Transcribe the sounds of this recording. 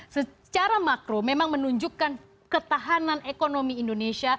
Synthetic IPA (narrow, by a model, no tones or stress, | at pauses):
sə | t͡ʃaɾamakɾomemaŋmənuɲd͡ʒukan | kət̪aɦananekonomiːndonesia